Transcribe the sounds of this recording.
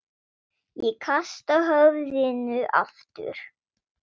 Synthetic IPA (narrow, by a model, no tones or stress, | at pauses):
jɛkʰast̪aɦœvðɪnʏʔa̰ft̪ʏ̰ɾ̥